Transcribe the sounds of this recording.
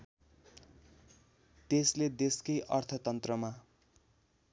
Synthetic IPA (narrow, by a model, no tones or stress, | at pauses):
t̪esled̪eskʌjʔʌrt̪ʰʌt̪ʌnt̪rʌma